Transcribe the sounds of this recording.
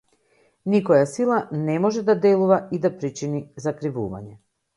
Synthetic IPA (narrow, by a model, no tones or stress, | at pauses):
nikɔjasilˠanɛmɔʒɛd̪ad̪ɛlˠuvaid̪apɾit͡ʃinizakɾivṵva̰ɲɛ